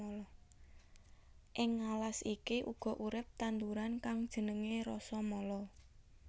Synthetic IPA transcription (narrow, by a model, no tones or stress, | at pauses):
ɔlɔ | ʔɪŋːalasikiʔuɡ̥ɔ̤ʔuɾɪp̚t̪and̪uɾankaŋd̥ʒ̥ə̤nəŋeɾɔsɔmɔlɔ